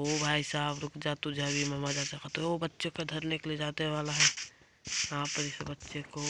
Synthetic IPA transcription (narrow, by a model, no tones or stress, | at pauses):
obʱaːisaːbɾʊkd͡ʒat̪ʊd͡ʒʱebʱimɐmad͡ʒaːsakat̪oobətːʃeked̪ʱɐɾnekelied͡ʒaːt̪eʋaːlaɦɛː | jɐɦãpəɾɪsbətːʃeko